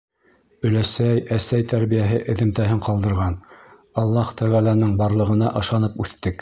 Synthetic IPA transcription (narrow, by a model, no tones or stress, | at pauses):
ɵ̆læsæjæsæjt̪æɾβijæɦɘʔɘ̆ðɘ̆mt̪æɦɘɴqɑlˠd̪ɤ̆ɾʁɑn | ɑlˠːɑht̪æʁælænɘŋbɑɾlˠɤ̆ʁɤ̆nɑʔɤ̆ʃɑnɤpʉθt̪ɘk